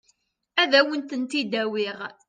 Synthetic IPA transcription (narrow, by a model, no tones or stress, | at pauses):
æðæwənt̪ənt̪id̪æwɪʁ